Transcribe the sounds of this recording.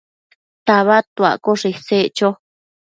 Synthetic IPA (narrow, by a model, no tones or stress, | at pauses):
t̪aβat̪ua̰koʂeset͡ʃo